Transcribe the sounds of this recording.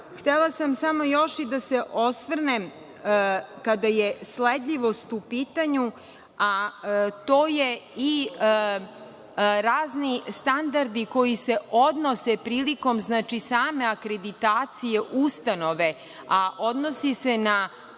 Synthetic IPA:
xt̪elˠasamsamo̞jo̞ʃid̪ase̞ʔo̞sʋr̩nem | kad̪aje̞sled̪ʎiʋo̞st̪upiːt̪aɲu | at̪oːjei | ɾaːznist̪and̪aɾd̪iko̞jise̞o̞d̪nosepɾiːliko̞mznaːt͡ʃisaːme̞akɾed̪it̪aːt̪sije̞ʔust̪ano̞ʋe̞ | aʔo̞d̪no̞sisena

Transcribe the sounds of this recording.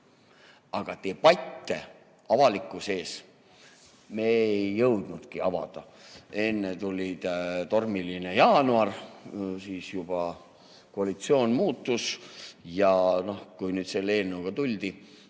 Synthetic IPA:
ɑɡ̥ɑt̪e̞ːpɑjt̪ːe̞ | ɑvɑlikːˑuse̞ːs | me̞ejːɤwd̪̥nud̪̥kiɑvɑ̰d̪̥ɑe̞nːet̪ulʲid̪̥t̪o̞rmilinejɑːnuɑrsiːsjub̥ɑ | ko̞ɑlʲit̪sio̞ːnmuːt̪ːusjɑno̞hkujnyːd̪̥se̞lːeːlnːeuɡ̥ɑt̪ulʲd̪̥i

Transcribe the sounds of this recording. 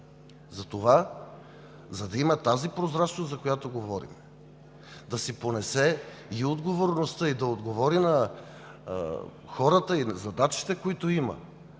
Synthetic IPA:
zɐt̪ova | zɐd̪ɐimɐt̪azipɾozɾat͡ʃnoszɐkojat̪oɡovɔɾḭm | d̪ɐsiponɛsɛ | iod̪ɡovoɾnost̪əid̪ɐod̪ɡovɔɾinɐ | xɔɾət̪əinzɐd̪at͡ʃi̥t̪ɛkoit̪oimə̰

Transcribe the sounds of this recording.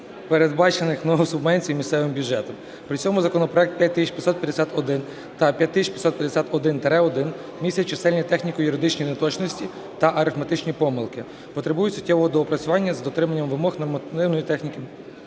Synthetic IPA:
peɾe̞d̪bɑt͡ʃenɪxnɔɦɔwsʊbmɛnʲt͡sʲijmʲist̪sɛʋɪmbʲjʊdd͡ʒɛt̪ɔm | pɾɪt͡ssʲɔmʊzɐkɔnɔpɾɔɛk̚t̪̚pʲjat̚ʲt̪isʲʃt͡ʃpʲjɐt̪sɔt̪̚pʲjɐd̪esʲat̪ɔd̪ɪn | t̪ɐpʲjɐt̚ʲt̪ːɪsʲit͡ʃʲpʲɐt̪sɔt̪̚pjɐd̪esʲat̪ɔd̪ɪnt̪ɾɛɔd̪ɪn | mʲisʲjɐt͡ʃɪsɛlʲnʲit̪ɛxnʲikʊjʊɾɪd̪ɪt͡ʃnʲinet̪ɔt͡ʃnɔsʲtʲi | t̪ɐʔɐɾɪfmɐt̪ɪt͡ʃnʲipɔmɪlˠkɪ | pɔt̪ɾebujʊtʲsʊ̥tʲːɛʋɔɦɔd̪ɔɔpɾɐt͡sʲʊʋɑnʲːɐzd̪ɔt̪ɾɪmɐnʲːɐmʋɪmɔxnɔrmɐt̪ɪwnɔjit̪ɛxnʲikɪ

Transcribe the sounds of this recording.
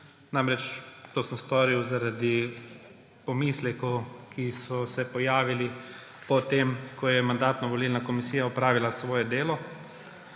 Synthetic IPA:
namɾɛt͡ʃt̪oːsəmst̪ɔːɾiwzaɾad̪i | pɔmislɛkɔkʰisɔsɛpɔjaːʋili | pɔt̪emkʰɔjɛmand̪aːt̪nɔʋɔliːlnakɔmisiːjaɔpɾaːʋilasʋɔːjɛd̪eːlɔ

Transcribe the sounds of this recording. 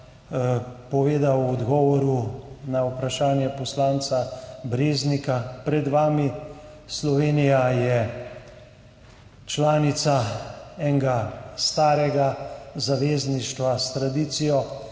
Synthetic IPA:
pɔʋeːd̪awɔd̪ɡɔːʋɔɾunaupɾaʃaːnjɛpɔslaːnt̪sabɾeːznikapɾɛd̪ʋaːmi | slɔʋeːnijajɛ | t͡ʃlaːnit̪saɛːŋɡast̪aːɾɛɡazaʋeːzniʃt̪ʋast̪ɾad̪iːt̪sijɔ

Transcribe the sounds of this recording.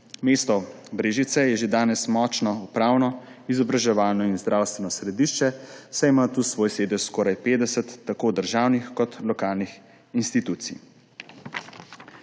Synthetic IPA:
meːst̪ɔbɾeːʒit̪sɛjɛʒed̪aːnɛsmɔt͡ʃnɔupɾaːwnɔizɔbɾaʒɛʋaːlnɔinzd̪ɾaːwst̪ʋɛnɔsɾɛd̪iʃt͡ʃɛsajimat̪usʋoːjseːd̪ɛʃskɔːɾajpeːd̪ɛsət̪ːakoːd̪əɾʒaːwnixkɔt̪lɔkaːlnix | inst̪it̪uːt̪sḭj

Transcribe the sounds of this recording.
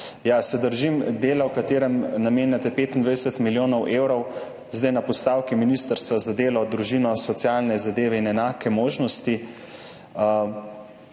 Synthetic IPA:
jasɛd̪əɾʒimd̪eːlawkat̪eːɾɛmnameːnjat̪ɛpeːt̪ind̪ʋajd̪ɛsɛt̪miljoːnɔwʔeːwɾɔw | zd̪ajnapɔst̪aːwkiminist̪əɾst̪ʋazad̪eːlɔd̪ɾuʒinɔsɔt̪sjalnɛzad̪eːʋɛinɛnaːkɛmoːʒnɔst̪i

